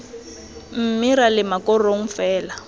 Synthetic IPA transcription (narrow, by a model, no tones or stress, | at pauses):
m̩miɾalɪmakʼɔroŋ̩fɛːla